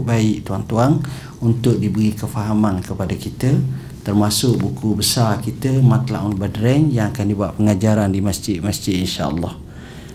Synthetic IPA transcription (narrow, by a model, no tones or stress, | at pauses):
baɪʔt̪uaŋt̪uaŋ | unt̪ʊʔ̚dibəɾikəfaɦamankəpadakit̪ə | t̪ərmasʊʔ̚bukubəsarkit̪əmat̪la̰ʔunbadɾɛŋjaŋakandibuaʔ̚pəŋad͡ʒaɾandimasd͡ʒɪd̪̚masd͡ʒɪd̪inʃa̰ʔə̰lːɑh